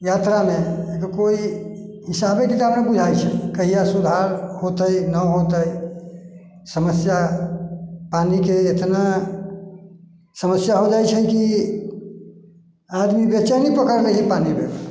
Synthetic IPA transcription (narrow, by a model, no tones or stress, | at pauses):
jat̪ɾameekəkoi | ɦisabekit̪abnebud͡ʒʱajt͡ʃʰɛkəɦijasud̪ʱaɾhot̪əjnəɦot̪əj | səməsja | panikeet̪na | səməsjaɦod͡ʒajt͡ʃʰɛki | ad̪mibət͡ʃanipəkəɾɾəɦiipanibeb